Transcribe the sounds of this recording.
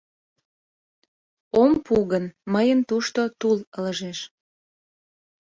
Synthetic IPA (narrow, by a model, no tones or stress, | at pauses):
ompuɣənməjənt̪uʃt̪ot̪ulələʒeʃ